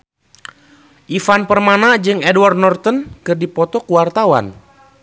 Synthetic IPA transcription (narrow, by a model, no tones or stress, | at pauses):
ʔifanpərmanad͡ʒɨŋɛdwart̪nɔrt̪ənkɨrdipɔt̪ɔkuwart̪awa̰n